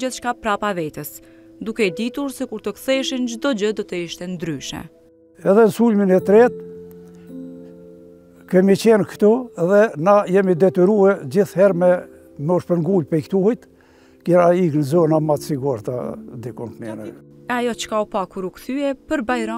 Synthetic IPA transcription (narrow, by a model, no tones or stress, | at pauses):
iθʃkapɾapavɛt̪əs | d̪ukɛd̪it̪uɾsɛkuɾt̪əkθɛʃənd͡ʑd̪ɔd͡ʑəd̪ɔt̪əiʃt̪ɛnd̪ɾyʃɛ̰ | ɛðɛnsulminɛt̪ɾɛt̪̚ | kɛmit͡ɕɛnkt̪ɔɛðɛnajɛmid̪ɛt̪yɾuɛd͡ʑiθhɛɾmɛ | mɛɔʃpəŋɡulpɛjkt̪uhit̪ | kɛɾaiknzɔnamat̪siɡuɾt̪a̰d̪ikɔntnɛnɛ̰ | ajɔt͡ʃkaupakuɾukθyɛpəɾbajɾɔ